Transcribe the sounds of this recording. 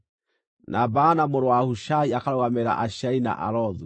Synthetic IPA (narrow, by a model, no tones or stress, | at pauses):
nʔabaːnamoɾowahuʃaiakaɾoɣamɛɾa̰ʔaʃaina̰ʔa̰ɾɔðu